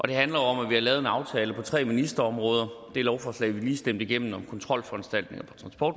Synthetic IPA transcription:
ʔɒ̽d̥e̝ɦænlɐjoɒ̽mæʋihɑ̈lɛːðˠe̝nɑ̈ʊt͡sʰɛːləpʰɒ̽t͡sʰʁɛ̰ːminisd̥ɐɒ̽mʁɔ̽ːð̞ˠɐd̥e̝ælɒʊfɒːslɛ̰ɪʋiliːsd̥em̰dəiɡ̥em̰n̩ɒ̽mkʰɒ̽nt͡sʰʁɒ̽l̰fɒænsd̥æl̰d̥ne̝ŋɐpʰɒ̥̽t͡sʰʁɑ̈nsb̥ɒ̰ːd̥

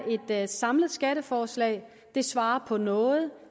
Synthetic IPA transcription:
ʔe̝d̥sɑ̈mləð̞̩ˠsɡ̥æɾəfɒːslɛ̰ːɪ | d̥e̝sʋɑ̈ːɐpʰɒ̽nɔ̽ːð̞̩ˠ

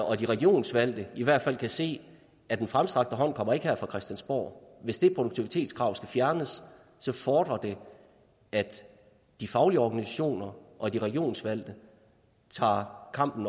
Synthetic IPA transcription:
ɒ̽d̥iʁɛɡ̥io̝̰ːnsʋæl̰d̥əiʋæɐ̰d̥fæl̰kʰæse̝̰ː | æd̥enfʁamsd̥ʁɑ̈ɡ̥d̥əɦɒ̽n̰kʰɒ̽m̰ɐe̝ɡ̥əhæɐ̰fʁɑ̈kʰʁɛsd̥jænsb̥o̰ːʋe̝sd̥e̝pʰʁod̥ɾuɡ̥̚t͡sʰiʋit͡sʰe̝̰ːd̥skʰʁɑ̈ʊ̰sɡ̥æfjæɐnəsː | ɒ̽fɒːd̥ʁɐd̥e̝ | æd̥ | d̥ifɑ̈ʊliəɒɡ̥ænisæɕo̝̰ːnɐʔɒ̽d̥iʁɛɡ̥io̝̰ːnsʋæl̰d̥ə | t͡sʰɑ̰̈ːkʰɑ̈m̰b̥n̩

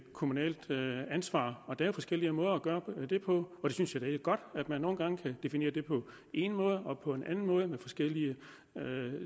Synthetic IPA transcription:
kʰo̝munɛ̰ːld̥ænsʋɑ̰̈ːɒ̽d̥æɐjo̝fɒ̽sɡ̥el̰iəmɔ̽ːð̞ˠɐɒɡ̥ɶːɐd̥e̝pʰɒ̽ɒ̽d̥e̝synsjɑd̥æeɡɡ̥ɒ̽d̥æd̥mænːo̝ːn̩ɡ̥ɑ̈ŋəkʰæd̥e̝fine̝̰ːɐd̥e̝pʰɒ̽ | e̝nmɔ̽ːð̞ˠəɒ̽pʰɒ̽e̝nʔænn̩mɔ̽ːð̞ˠəmefɒ̽sɡ̥el̰iə | ø

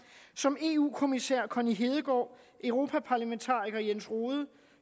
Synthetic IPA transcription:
sɒ̽me̝ːṵːkʰo̝misæɐ̰kʰɒniɦe̝ːð̞ˠəɡ̥ɒ̰ː | ʔœʊʁo̝ːpʰæpʰɑ̈ːlæment͡sʰɑ̈ːʁiɡ̥ɐjensʁoːðˠə

